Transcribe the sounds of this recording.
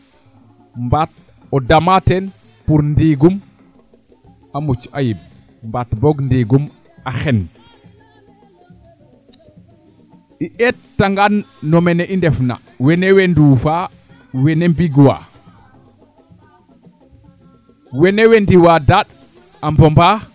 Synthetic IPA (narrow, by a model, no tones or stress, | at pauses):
mbat̚ | ɔdamatɛn | puɾndiɡum | amut͡ʃajib̚ | mbatbɔɡndiɡum | axɛn | ʔiʔɛttːaŋɡanːɔmɛnɛʔindɛfna̰ | wɛnɛwɛndufa | wɛnɛmbiɡwa̰ | wɛnɛwɛndiwadaɗ | ʔambɔmba